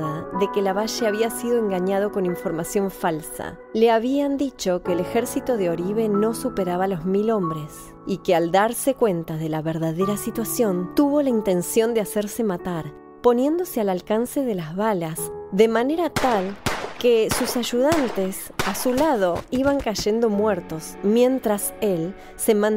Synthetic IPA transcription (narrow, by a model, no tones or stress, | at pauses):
ðaðe̞kelaβaʃeaβ̞iasiðo̞e̞ŋɡaɲað̞o̞ko̞niɱfo̞ɾmasjo̞ɱfalsa̰ | leaβiand̪it͡ʃo̞keːlexeɾsit̪o̞ðeo̞ɾiβe̞no̞supeɾaβalo̞zmilo̞mbɾe̞s | ikeald̪aɾsekwent̪aðe̞laβeɾðaðeɾasit̪wasjo̞nt̪uβo̞laint̪e̞nsjo̞nd̪easeɾse̞mat̪aɾ | po̞nje̞nd̪o̞sealalkanse̞ðelazβalasðemane̞ɾat̪alkesusaʒuðant̪es | asulað̞o̞iβaŋkaʒe̞nd̪o̞mweɾt̪o̞smjẽ̞nt̪ɾasel | semãn